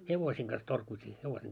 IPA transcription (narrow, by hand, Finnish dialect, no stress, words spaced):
heʋosiːŋ ɡ̊ɑs torkuitʲiː heʋosiːŋ